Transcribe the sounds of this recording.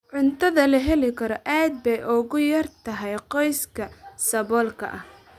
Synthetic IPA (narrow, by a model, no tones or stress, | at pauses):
ʕʊnt̪ʰɐðɐlɐɦɛlɪkʰɐɾɔʔaːd̪̚bɛjʔʊɣʊjɐrt̪ʰɐɦɛjqɔjskʰɐsɐβɔːlkʰɐ̰ʔɐh